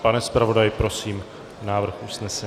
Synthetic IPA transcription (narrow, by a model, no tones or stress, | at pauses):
panɛspɾavo̞dajɪpɾo̞siːm | naːvr̩xʔusnɛsɛ